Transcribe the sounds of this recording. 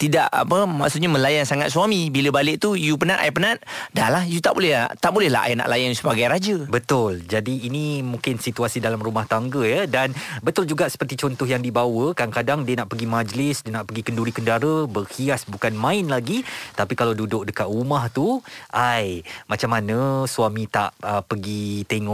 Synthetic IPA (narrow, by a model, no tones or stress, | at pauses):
t̪idaʔa̰pəma̰ʔsʊt̪̚ɲamə̃lajansaŋat̪̚suamĩbiləbalɪʔ̚t̪ujupənaʔ̪ʔa̰jpənat̪̚dalahjut̪aʔbolɛɦlat̪aʔbolɛhla̰ʔa̰jna̰ʔlajansəbaɡajɾad͡ʒəbət̪ʊld͡ʒadiːnimũŋkɪnsit̪uasidalamrumaht̪aŋɡəjədanbət̪ʊld͡ʒuɡaʔsə̥pərt̪it͡ʃɔnt̪ɔɦjaŋdibawəkadaŋkadaŋdiənaʔpəɡimad͡ʒəlɪsdiənaʔpəɡikənduɾikəndaɾəbərhiasbukanmãɪnlaɡit̪apikalawdudʊk̚dəkat̪̚rumaht̪uʔajmat͡ʃamːanəsuamĩt̪a̰ʔəpəɡit̪eŋɔʔ